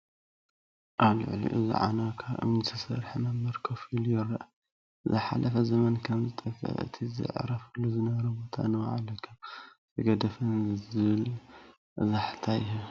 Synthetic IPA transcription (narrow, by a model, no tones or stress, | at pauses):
ʔaβlɨ̰ʕlḭʔɨzḭʕa̰nakʰaβʔɨ̰mnit̪ʰɐsɐ̰ɾħmɐmːɐɾkʰɐfiljɪɾɐʔ | zɨħa̰lʔɐfɐzɐmɐnkʰɐmzɨt̪ʼɐkʼɐ̰ʕɨ̰t̪ʰizɨ̰ʕɾɐfɨlːuzɨnɐβɐɾɐbo̞t̪ʰa̰nɐwʕa̰lɐkʰɐmt̪ʰɐɡɐd̪ɐfɐnzɨβɨl | ʔzaħt̪ʰajɦu